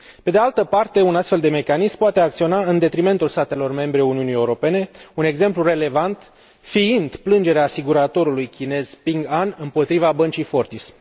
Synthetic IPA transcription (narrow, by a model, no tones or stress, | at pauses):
pe̞d̪ealt̪əpart̪e̞unast̪fe̞ld̪e̞me̞kanismpoat̪e̞ak̚t̪sio̞naɨnd̪e̞t̪ɾime̞nt̪ulst̪at̪e̞lo̞rme̞mbɾeuniunijeuɾo̞pe̞ne̞une̞ɡze̞mplure̞le̞vant̪ | fiind̪plɨnd͡ʒe̞ɾeaːsiɡuɾat̪o̞ɾulujkʲine̞z̥piŋɡanɨmpo̞t̪ɾivabənt͡ʃijfo̞rt̪is